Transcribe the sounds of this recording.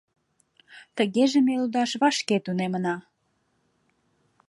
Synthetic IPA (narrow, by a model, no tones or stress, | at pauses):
t̪əɣeʒemelud̪ɑʃβɑʃket̪unemənɑ